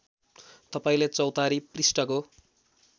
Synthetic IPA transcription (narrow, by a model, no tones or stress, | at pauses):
t̪ʌpaĩlet͡sʌwt̪aɾiprisʈʌko